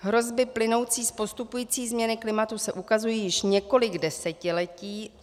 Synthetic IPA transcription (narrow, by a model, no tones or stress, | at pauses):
ɦɾo̞zbɪplɪno̞wt͡siːspo̞st̪upujiːt͡siːzmɲɛnɪklɪmat̪usɛʔukazujiːjɪʃɲɛko̞lɪɡdɛsɛcɪlɛciː